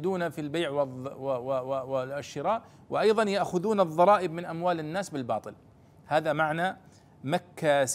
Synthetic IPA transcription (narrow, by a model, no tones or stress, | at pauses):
d̪uːnafilbeːʕw | ɪʃːɪɾaːʔ | wɪʔɑjðˤɑnjaʔxʊðuːnɨðˤːɑɾˤɑːʔɪbmɪnʔamwaːlɪnːaːsbɪlbɑːt̪ˤɨl | haːðamaʕna | makːas